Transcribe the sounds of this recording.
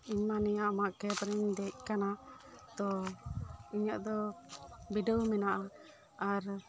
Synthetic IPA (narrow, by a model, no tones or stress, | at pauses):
iɲmanɛjaʔamaʔkɛpɾɛɲd̪ɛc̚kanat̪ɔ | iɲɔʔd̪ɔ | biɖəwmɛnaʔa | aɾ